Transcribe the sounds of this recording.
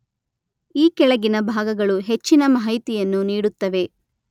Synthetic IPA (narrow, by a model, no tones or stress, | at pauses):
iːkɛɭɐɡinɐbʱaːɡɐɡɐɭuɦe̞t͡ʃːinɐmɐɦɐjt̪ijɐnːuniːɽut̪ːɐʋe̞